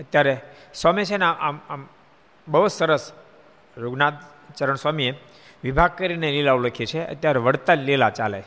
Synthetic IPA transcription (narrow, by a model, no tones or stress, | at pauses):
ət̪jaɾesamet͡ʃʰeneaʔamam | bəɦut̪səɾəs | joɡnat̪̚ | t͡ʃəɾəɳsʋamie | ʋibʱaɡ̚kəɾinelelauləkʰet͡ʃʰeə̰t̪jaɾeʋəɽt̪alelat͡ʃalḛ